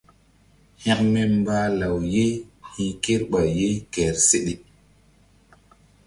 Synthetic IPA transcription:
hɛ̃˦ʔme˦m˦ba˦la˨wje˦hĩ˦ke˦ɾɓa˨je˦kɛ˨ɾse˦ɗi˨

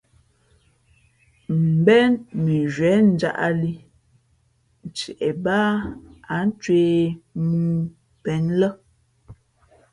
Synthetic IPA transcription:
m̩˨bɛ˦nmi˨ʒɥɛ˨˦n̩˦d͡ʒa̰˦ʔa̰˦li˦ | n̩˨t͡ʃɛ˨ʔɛ˨baː˦a˨˦n̩˦t͡ʃweː˦muː˦ | pɛ˨˦nlə˦

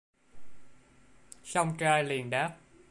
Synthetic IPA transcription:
sa˧wŋ͡mt͡ɕaː˧jli˨˩ənɗaː˦˥p̚

